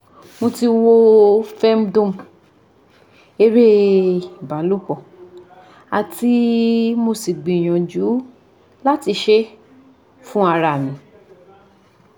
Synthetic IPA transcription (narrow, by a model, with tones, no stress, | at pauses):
mo˧ti˧wo˦fɛ˦m˦dõ˦˨m˨ | e˧ɾe˦i˨ba˨˦lu˦kɔ˦˨ | a̰˨ti˦mo˧si˨ɡ͡bĩ˨j̃ɔ̃˨d͡ʒu˨˦ | la˦ti˧ʃe˦ | fũ˦a˧ɾa˧˨mĩ˨˦